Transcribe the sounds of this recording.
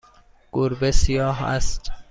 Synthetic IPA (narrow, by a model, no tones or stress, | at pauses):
ɡ̥uɾbesijɒːɦæ̰st̪